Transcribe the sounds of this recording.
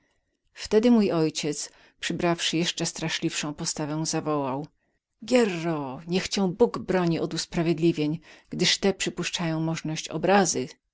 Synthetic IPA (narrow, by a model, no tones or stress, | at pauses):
ft̪ɛd̪ɘmujɔjt͡ɕɛt̪s | pʂɘbɾafʂɘjɛʂt͡ʂɛst̪ɾaʂlʲifʂɔ̃w̃pɔst̪avɛw̃zavɔwaw | ɡʲjɛrːɔɲɛxt͡ɕɛ̃w̃buɡbɾɔɲiɔd̪uspɾavʲjed̪lʲivʲjeɲɡ̥d̪ɘʂt̪ɛpʂɘpuʂt͡ʂajɔ̃w̃mɔʐnɔɕt͡ɕɔ̰bɾazɘ